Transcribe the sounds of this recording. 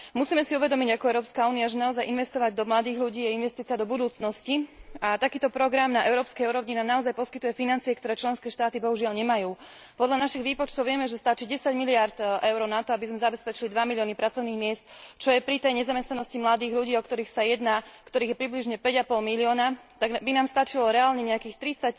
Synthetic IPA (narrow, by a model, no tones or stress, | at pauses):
musiːmɛsiuʋɛd̪ɔmiɟakɔɛʊɾɔːpskauːnijaʒɛnaɔzajinʋɛst̪ɔʋaɟ̚d̪ɔmlad̪iːɣʎuɟiːainʋɛst̪iːt͡siad̪ɔbud̪uːt͡snɔsciat̪akiːt̪ɔpɾɔɡɾamnaʔɛʊɾɔːpskɛjuɾɔʊɲɛnamnaɔzajpɔskit̪ujɛfinant͡siɛkt̪ɔɾɛːt͡ʃlɛnskɛːʃt̪aːt̪ibɔɦuʒɪalɲɛmajuː | pɔd̪ʎanaʃiɣʋiːpɔt͡ʃt̪ɔʊʋɪɛmɛʒɛst̪at͡ʃiːɟɛsaɟmiliaɾt̪ʔɛʊɾɔnat̪ɔabizmɛzabɛspɛt͡ʃilid̪ʋamilɪɔːnipɾat͡sɔʊniːɣmɪɛst̪t͡ʃɔjɛpɾit̪ɛjɲɛzamɛst̪nanɔscimlad̪iːɣʎuɟiːɔkt̪ɔɾiːxsajɛd̪naːkt̪ɔɾiːɣjɛpɾibliʒɲɛpɛɟapɔlmiliɔːnat̪aɡbinaːmst̪at͡ʃilɔɾɛaːlɲɛɲɛakiːxt̪ɾit͡sac